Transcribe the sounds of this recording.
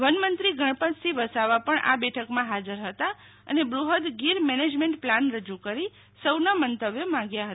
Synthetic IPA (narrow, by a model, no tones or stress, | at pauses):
ʋənmənt̪ɾiɡʱəɳ̃pə̃nt͡ʃt̪ʰiʋəsaʋapəɳʔa̰bɛʈʰəkmãɦad͡ʒəɾɦət̪a | ə̰nebɾuɦəd̪ɡiɾmɛned͡ʒmẽɳʈplanɾəd͡ʒukəɾi | səwnamənt̪əʋjəmãɡjaɦət̪a